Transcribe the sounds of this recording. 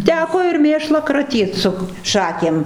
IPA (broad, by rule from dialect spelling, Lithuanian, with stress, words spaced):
ˈtʲæːkoː ɪr ˈmʲeːʃlˠɑː krɐˈtʲiːt sʊ ˈʃɑːkʲeːm